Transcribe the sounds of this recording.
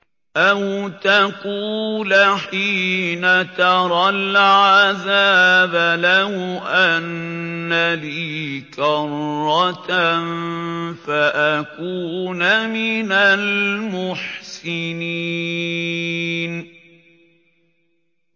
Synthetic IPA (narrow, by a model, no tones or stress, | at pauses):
ʔawt̪akuːlaħiːnat̪ɑɾˤɑlʕazaːbalahʊʔanːaliːkɑrːɑt̪nfaʔakuːnamɪnalmʊħsɪni | n